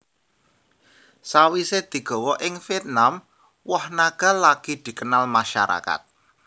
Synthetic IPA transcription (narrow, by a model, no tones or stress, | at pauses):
sawised̪̥i̤ɡ̥ɔ̤wɔʔɪŋfiɛt̪̚nam | wɔhnaɡ̥a̤laɡ̥id̪̥i̤kənalmaʃa̰ɾa̰ka̰t̪̚